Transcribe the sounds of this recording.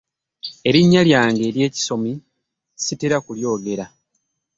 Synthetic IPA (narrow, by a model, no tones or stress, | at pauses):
e̞ɾiɲːaljaːŋɡe̞ːɾje̞ːci̥so̞mi | siteɾakuljo̞ːɡe̞ɾa